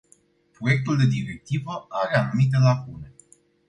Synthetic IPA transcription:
pɾo̞je̞k̚t̪uld̪e̞d̪iɾek̚t̪ivəaɾeanumit̪̬e̞lakune̞

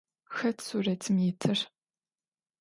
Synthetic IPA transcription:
xɐtʰsuːrɐtʰɨmjɪtʰɨr

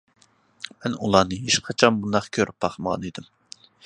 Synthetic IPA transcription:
mɛnulˠɑːnɨɦeʃqʰɑt͡ʃʰɑnbund̪ɑχkʲʰøɾyp̚ːɑχməʁɑ̰nid̪ɨm

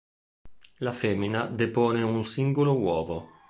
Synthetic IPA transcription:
lafemːinad̪epɔːneunsiŋɡolowɔːvo

